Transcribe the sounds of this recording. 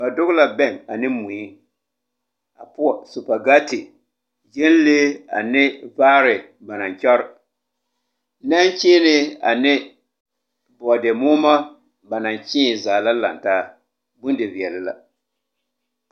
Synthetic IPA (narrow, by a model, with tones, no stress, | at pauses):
ba˨dʊ˦ɣla˨bɛ˦˨ŋa˨nɪ˦mu˨ɲi˦ | a˨pu˦ɔ˨su˨pa˨ɡa˦tɪ˨ | d͡ʒɪ˦n˦le˦a̰˨nɪ˦vaː˦ɾɪ˨ | ba˨na˨ɲ˨t͡ʃɔ˦ɾ | na˦nt͡ʃeː˦nɪ˦a̰˨nɪ˦ | bɔ˨de˨mʊː˦ma˦ | ba˨na˨n˨t͡ʃi˦˨zaː˨la˦la˨ntaː˦ | bu˦ndɪ˨vi˨ɛ˨lɪ˨la̰˦